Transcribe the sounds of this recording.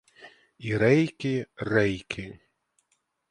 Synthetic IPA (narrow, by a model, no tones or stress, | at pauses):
iɾɛjkʲɪrɛjkʲʰɪ